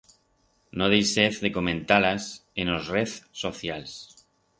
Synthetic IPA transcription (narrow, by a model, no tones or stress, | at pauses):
noð̞ejseθðeko̞mẽnt̪alasenozreθsoθjals